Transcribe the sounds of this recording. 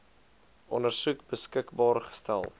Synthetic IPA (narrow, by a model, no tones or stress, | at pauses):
ʔɔ̰nərsuk̚bəskəkbɑːrχə̥stæ̰lˠ